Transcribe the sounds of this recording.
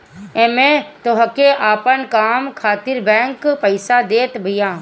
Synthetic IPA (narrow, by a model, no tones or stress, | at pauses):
emẽt̪oɦkeʔaːpənkaːmkʰaːt̪ɪɾbɛ̃ːŋkpəɪsad̪eːt̪bʱɪjãː